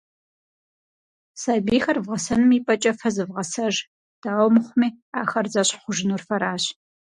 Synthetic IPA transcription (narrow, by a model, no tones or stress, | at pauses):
saːbiːxɐrvʁɐsɐnɨmiːpʼɐt͡ʃʼɐfɐzɨvʁɐsɐʒ | d̥aːwmɨχʷʊmiː | aːxɐrzɐɕʼχʷʊʒɪnuːrfɐɾaːɕ